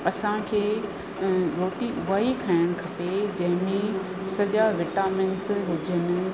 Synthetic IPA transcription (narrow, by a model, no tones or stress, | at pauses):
ɐsãkʰeː | ɾoːʈiʊʋaːikʰaːjəɽ̃kʰɐped͡ʑɐ̃ɦɪ̃mẽ | sɐʄaʋɪʈaːmẽnsɦʊd͡ʑənɪ̆